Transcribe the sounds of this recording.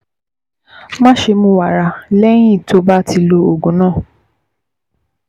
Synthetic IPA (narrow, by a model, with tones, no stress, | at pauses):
mã˦ʃe˧mũ˦wa˨ɾa˧lɛ˦ɲĩ˦˨tʰo˧ba˦tʰi˧lo˧o˨ɡũ˨˦nãː˦˨